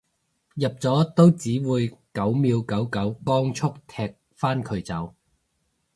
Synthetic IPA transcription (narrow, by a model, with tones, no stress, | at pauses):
jɐ˨p̚t͡sɔː˨˥t̪o˥wt͡siː˨˥wuː˨˧jkɐ˨˥wmiː˨˧wkɐ˨˥wkɐ˨˥wkɔː˥ŋt͡sʰʊ˥k̚t̪ʰɛː˧k̚ | faː˥nkʰɵ˨˧ɥt͡sɐ˨˥w